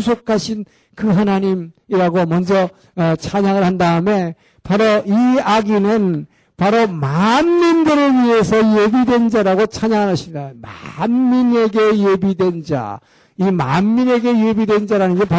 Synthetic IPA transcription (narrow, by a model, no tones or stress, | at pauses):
usʰokʰaɕʰin | kɯɦanaɲimiɾaɡomʌnd͡ʑʌ | ʌt͡ɕʰaɲaŋɯɭɦhandaɯme̞ | paɾoiaɡinɯn | paɾomanːindɯɾɯɭɥiɦe̞sʰʌjebidwe̞nd͡ʑaɾaɡot͡ɕʰaɲaŋanɦaɕʰidama̰nːine̞ɡe̞jebidwe̞nd͡ʑa̰ | ima̰nːine̞ɡe̞jebidwe̞nd͡ʑaɾanɯnɡepa